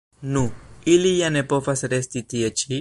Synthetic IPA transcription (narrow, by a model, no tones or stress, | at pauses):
nuilijanepofasɾest̪it̪iət͡ʃi